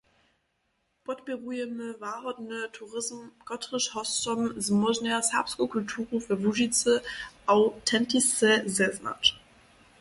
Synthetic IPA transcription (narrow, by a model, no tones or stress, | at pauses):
b̥ɔtb̥eʁujɛməvaʁɔdnətʰuʁɪzmɡ̥ɔtʁɪʃhɔstɔnzmɔznɛɐsapskokʰʊltʰuːʁufɛɐvuʒit͡səaʊtʰɛntisɛzɛzna̰t